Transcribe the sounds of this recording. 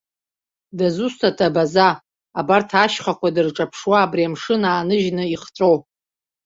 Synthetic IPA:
dazustʰatʰabazaː | bartʰaʃχakʷadɨrʈ͡ʂʼapʰʂwaːbriamʂɨnaːnɨʒnɨiχt͡sʼow

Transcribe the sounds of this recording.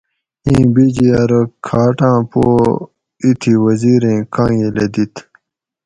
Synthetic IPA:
ĩːbid͡ʑiɐɾɐkʰaːʈãːpoː | it̪ʰiwɐziːɾẽːkãːjeled̪it̪ʰ

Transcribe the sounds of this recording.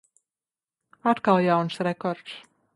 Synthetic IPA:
at̪kalˠjawnsɾɛkɔɾt̪s

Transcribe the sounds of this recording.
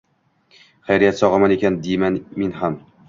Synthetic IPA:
χajɾijat̪sɒʁɑmanekʲand̪ijmanminham

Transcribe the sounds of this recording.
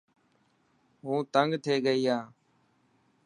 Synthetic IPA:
ɦũːt̪əŋɡt̪ʰeːɡəiːɦãː

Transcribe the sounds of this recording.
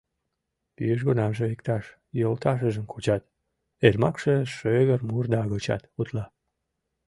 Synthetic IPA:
t̪y̰jəʃ̬ɣonɑmʒəikt̪ɑʃ | jolt̪ɑʃ̬əʒə̆mkʰut͡ɕɑt̪ | elmɑkʃəʃøɣərmurd̪ɑɣot͡ɕɑ̰t̪ut̪lɑ

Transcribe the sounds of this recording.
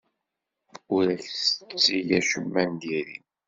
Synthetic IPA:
ʊɾæçsət͡sːijæʃəmːænd̪iɾḭ

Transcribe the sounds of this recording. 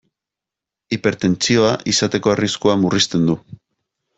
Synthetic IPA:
ipe̞ɾt̪e̞nt͡sio̞aʔisat̪e̞ko̞ariskuamurist̪e̞nd̪u

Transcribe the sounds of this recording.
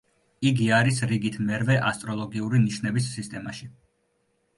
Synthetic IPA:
iɡiaɾisɾiɡit̪ʰmɛɾvɛʔast̪ʼɾɔlˠɔɡiuɾiniʃnɛbisːist̪ʼɛmaʃi

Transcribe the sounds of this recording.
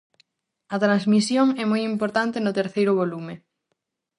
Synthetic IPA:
ɐt̪ɾanzmisjoŋɛmojimpoɾt̪ant̪ɪnʊt̪eɾθejɾʊβolumɪ

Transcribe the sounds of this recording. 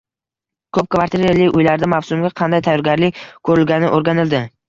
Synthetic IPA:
kʰɵp̚kvaɾt̪ʰiɾelɪʊjlaɾd̪amawsʊmɡʲaqʰɑnd̪ajt̪ʰajɒɾɡʲaɾlɪk̚ʲkʰɵɾɪlɡʲanɪʔoɾɡʲanɪld̪ɪ

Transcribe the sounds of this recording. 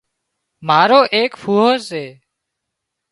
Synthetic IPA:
maːɾoːʔeːkpʰuːɦoːsseː

